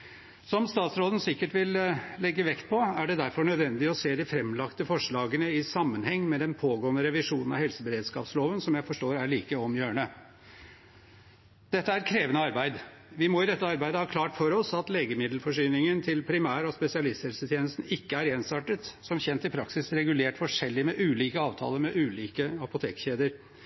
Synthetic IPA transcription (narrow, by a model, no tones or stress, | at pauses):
sɔmst̪ɑːt̪sɾoːd̪ən̩sɪkːəʈʋɪllɛɡːəʋɛkt̪̚pʰɔæɖɛd̪æɾfɔɳœd̪ʋɛnd̪ɪɔseːd̪ɪfɾɛmlɑkt̪əfɔʂɭɑːɡənəɪsɑmːənhɛŋːmɛd̪ɛnpʰoːɡoːənəɾɛʋɪʂuːnənɑhɛlsəbəɾeːd̪skɑ̰ːpsloːʋənsɔmjæɪfɔʂʈoːɾæɭiːkəɔmjøːəɳə | d̪̥ɛt̪ːəæɾɾkʰɾeːʋənəɑɾbæɪd̪ | ʋɪmɔɪd̪ɛt̪ːəɑɾbæɪd̪əhɑːkʰlɑːʈfɔɾɔsɑt̪leːɡəmɪd̪lfɔʂyːnɪŋənt̪ʰɪlpʰɾɪmæːɾɔspɛsɪɑlɪst̪hɛlsət̪ʰjeːnəst̪n̩ɪkːəæɾeːnsɑʈət̪sɔmçɛnt̪ɪpʰɾɑksɪsɾɛɡʉleːʈfɔʂɛlːɪmɛʔʉːliːkəɑːʋt̪ʰɑ̰ːləɾmɛʔʉːliːkəɑpʊt̪ʰeːkçeːd̪əɾ